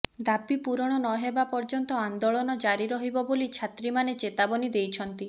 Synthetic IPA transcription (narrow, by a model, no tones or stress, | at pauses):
d̪apipuɾɔɽ̃ɔnɔɦebapɔɾd͡ʒɔnt̪ɔand̪oɭɔnɔd͡ʒaɾiɾɔɦibɔbolit͡ʃʰat̪ɾimanet͡ʃet̪abɔnid̪ejt͡ʃʰɔnt̪i